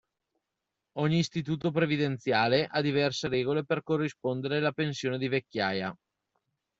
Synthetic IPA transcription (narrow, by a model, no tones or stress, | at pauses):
ɔɲːiːst̪it̪̬uːt̪op̬ɾevid̪ent̪sjaːleʔad̪ivɛrseɾɛːɡoleperkorːispond̪eɾelapensjoːned̪ivekʲːjaːja̰